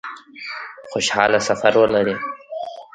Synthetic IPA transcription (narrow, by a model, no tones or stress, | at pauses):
xoʃhɑːlasafaɾwəlaɾi